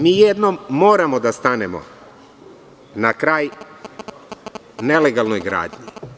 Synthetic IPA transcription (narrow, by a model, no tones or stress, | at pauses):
miːjed̪nomːo̞ːɾamo̞d̪ast̪anemo̰ | nakɾaːj | ne̞leɡalˠnojɡɾa̰ːd̪ɲḭ